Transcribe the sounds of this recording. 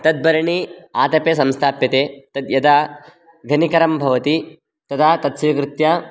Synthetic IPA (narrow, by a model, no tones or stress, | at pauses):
t̪ɐd̪̚bɐɾɐɳiaːt̪ɐpes̬ɐmst̪ʰaːpjɐt̪eːt̪ɐd̪jɐd̪aː | ɡʱɐnikɐɾɐmbʱɐʋɐt̪i | t̪ɐt̪ʰaːt̪ɐt̪sɐjɐkɾut̪ja